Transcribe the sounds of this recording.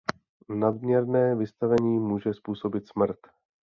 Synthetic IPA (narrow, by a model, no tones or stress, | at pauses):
nad̪mɲɛɾnɛːvɪst̪avɛɲiːmuːʒɛspuːso̞bɪt̪smr̩t̪